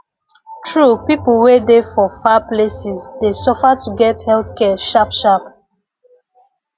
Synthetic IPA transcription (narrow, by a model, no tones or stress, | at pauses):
tʰɹupipl̩wedefɔfaplesisdesɔfatuɡɛthɛlθkɛʃapʃap